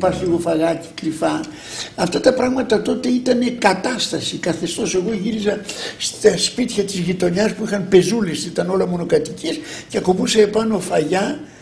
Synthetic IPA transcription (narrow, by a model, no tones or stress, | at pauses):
pɐɾsliɣo̞fɐɣɐci̥kɾifɐ | ɐft̪ɐt̪ɐpɾɐɣmɐt̪ɐt̪o̞t̪e̞it̪ɐne̞kɐt̪ɐst̪ɐsikɐθe̞st̪o̞se̞ɣo̞ʝiɾizɐst̪ɐspit̪çɐt̪izʝit̪o̞ɲɐspuixɐnpe̞zulesit̪ɐno̞lɐmo̞no̞kɐt̪icisceɐko̞puseepɐno̞fɐʝɐ